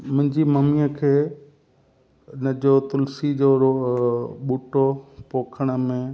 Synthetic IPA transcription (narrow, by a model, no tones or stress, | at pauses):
mʊ̃ɦɪ̃ɲd͡ʑimɐmiəkʰeː | nəd͡ʑot̪ʊlsid͡ʑoːɾo | ɓuːʈopoːkʰəɽ̃ə̆mẽ